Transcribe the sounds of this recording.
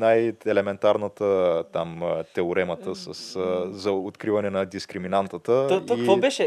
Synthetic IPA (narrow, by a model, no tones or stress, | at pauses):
najɛlɛmɛnt̪aɾnət̪ət̪amt̪ɛʊɾɛmət̪əsɐszɐot̪kɾivɐnɛnɐd̪iskɾiminant̪ət̪əot̪oivobɛʃɛ